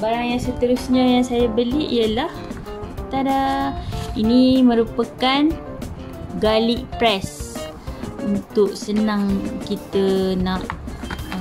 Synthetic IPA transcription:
baɾaŋjaŋsət̪əɾusɲajaŋsajabəliʔijəlah | t̪aɾa | inimə̃ɾupəkan | ɡaliʔpɾɛs | unt̪ʊʔsənãŋkit̪ənaʔ

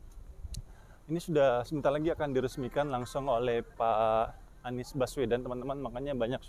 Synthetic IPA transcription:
inisudahsəbənt̪arlaɡiakandiɾəsmikanlaŋsʊŋolɛhpaː | nɪsbaswedant̪əmant̪əmanmakaɲabaɲak̚

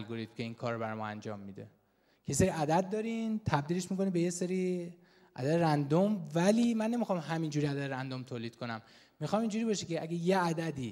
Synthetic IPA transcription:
lɡoɾit̪mcʰe̞iːnkʰɒːɾbæɾɒjmɒænd͡ʒɒ̰ːmːid̪ḛ | kʰejeseɾiæd̪æd̪̚ːɒːɾint̪ʰæbd̪iːleʃmiko̞nibe̞jeseɾi | ʔæ̰d̪æd̪eɾænd̪omvæliːmænːe̞mixɒːmɦæmiːnd͡ʒuːɾiæd̪æd̪eɾænd̪omt̪ʰoːliːd̪̥̚kʰo̞næmː | ixɒːmind͡ʒuɾiːbɒːʃecʰeæɡejeæd̪æd̪i

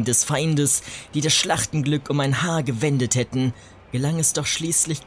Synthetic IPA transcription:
dɛsfaɪndəsd̥iːdasʃlaχtn̩ɡlʏkʊmaɪnhaːɐɡəvɛndəthɛtn̩ | ɡ̥əlaŋɛsd̥ɔχʃliːslɪç

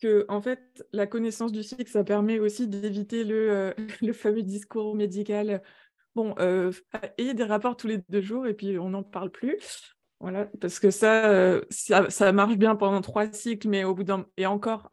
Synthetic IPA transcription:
kəʔɑ̃fɛt̪lakɔnesɑ̃s̬d̪ysiksapɛʁmɛosid̪evit̪eləøləfamød̪iskuʁmed̪ikʲal | bɔ̃ʔøaed̪eʁapɔʁt̪uled̪øʒuːʁepɥiɔ̃nɑ̃paʁlply | vwalapaʁsə̥kəsaøsasamaʁʃbjɛ̃pɑ̃d̪ɑ̃t̪χwasjɛklmɛobud̪ɛ̃eɑ̃kɔʁ

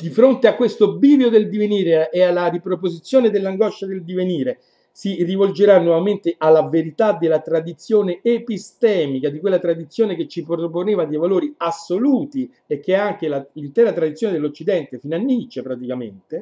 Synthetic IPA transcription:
d̪ifɾont̪eakːwest̪obiːvjod̪eld̪iveniːɾeːalːaripɾopozit̪sjoːned̪elːaŋɡɔʃːad̪eld̪iveniːɾe | sirivold͡ʒeɾanːwɔvament̪eʔalːaveɾit̪ad̪elːat̪ɾad̪it̪sːjoːneepist̪ɛːmikad̪ikwelːat̪ɾad̪it̪sːjoːnek̟et͡ʃːipɾoponeːvad̪ejvaloːɾiasːoluːt̪i | ekːeaŋk̟elalint̪ɛːɾat̪ɾad̪it̪sjoːned̪elːot͡ʃːid̪ɛnt̪efiːnanːit͡ʃepɾat̪ikament̪e

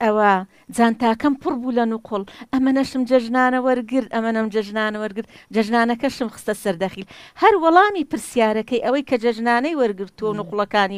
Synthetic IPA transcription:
ʔɐwɐ | d͡zaːnt̪aːkɐmpʰɨrbuːlɐnʊqʰʊlˠʔɐmɐnɐʃɨmd͡ʒɐʒnaːnɐwɐɾɡɨɾt̪ɐmɐnɐmd͡ʒɐʒnaːnɐwɐɾɡɨɾd̪̚d͡ʒɐʒnaːnɐkɐʃɨmxɨ̥st̪ɐsɐɾd̪ɐχiːlhɐɾwɑlˠɑːmiːpɨɾsijaːɾɐkɐjʔɐwɐjkʰɐd͡ʒɐʒnaːnɐjwɐɾɡɨɾt̪uwɐwnuqlˠɐkaːni

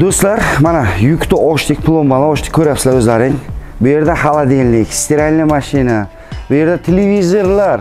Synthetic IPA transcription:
d̪ɵst̪laɾmanajʊkʲt̪ɪʔɒʃt̪ʰɪk̚ʲpʰlˠomːalaɒʃt̪ɪ̥kʲʰːɵɾjapsɪzaɾɵzlaɾɪŋ | bʊje̞ɾd̪ahalˠad̪enlɪkʲst̪ʰeɾalʲnɪmaʃina | bʊje̞ɾd̪at̪ʰelevizoɾlaɾ

